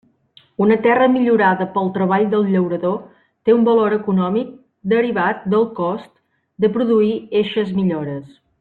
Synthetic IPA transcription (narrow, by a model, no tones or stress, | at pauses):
unət̪ɛrəmiʎuɾaðəpəlˠt̪ɾəβaʎd̪əlˠʎəwɾəðo | t̪eumbəloɾəkunɔmik̚ | d̪əɾiβat̪̚d̪əlˠkɔst̪ | d̪əpɾuðuieʃəzmiʎoɾəs